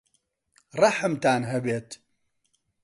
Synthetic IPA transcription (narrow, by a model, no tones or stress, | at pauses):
rˤɐħəmt̪aːnɦɐbeːt̪